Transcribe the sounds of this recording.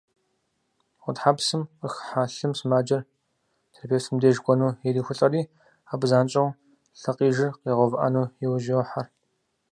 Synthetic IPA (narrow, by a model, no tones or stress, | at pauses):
wʷʊtħapsɨmqəxħaːɬɨmsmaːd͡ʒɐr | tʰrpʰeːsɨmdeːʒɡʷʼɔnuːjɛɾiːxʷʊɬʼɐriː | aːbzaːnt͡ʃʼɐw | ɬɐqiːʒɪrqeːʁʷɔvʔa̰nuːjɛwʒiħar